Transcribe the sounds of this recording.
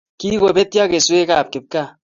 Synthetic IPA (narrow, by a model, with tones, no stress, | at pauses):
ki˦ko˨be˦tja˦ke˨swe˦ka˦˨p̚kɪ˨p̚ka˦˨